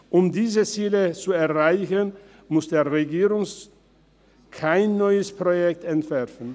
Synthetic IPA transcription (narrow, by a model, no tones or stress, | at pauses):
ʔʊmdiːzət͡siːlət͡suɛɐʁaɪçən | mʊsd̥eːɐʁeɡiːʁʊŋs | kʰaɪnːɔʏəspʁ̥ojɛk̚tɛntv̥ɛɐfn̩